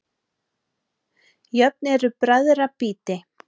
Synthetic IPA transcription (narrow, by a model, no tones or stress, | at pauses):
jœp̚nɛɾʏpɾaðɾapiːt̪ɪ